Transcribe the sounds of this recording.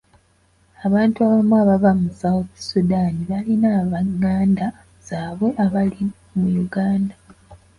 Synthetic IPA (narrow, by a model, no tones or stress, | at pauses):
aβaːntuaβamuaβavamusawoβi̥sudaːniβalinaːβaŋːaːnda | z̥aːβwe̞ʔaβali | mujuɡaːnda